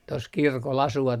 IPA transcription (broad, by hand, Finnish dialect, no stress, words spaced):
tos kirkol ɑsuʋɑt